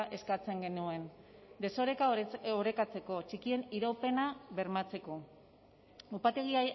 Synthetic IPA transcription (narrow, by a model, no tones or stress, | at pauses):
ʔe̞skat͡se̞ŋɡe̞nue̞nd̪e̞so̞ɾekaoɾe̞kat͡se̞ko̞t͡ʃikie̞niɾope̞naβe̞ɾmat͡se̞ko̞ | upat̪e̞ɣ̞ia